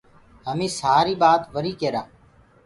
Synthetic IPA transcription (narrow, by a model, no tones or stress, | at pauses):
ɦəmĩːsaːɾiːɓaːt̪ʋəɾiːkeːɾaː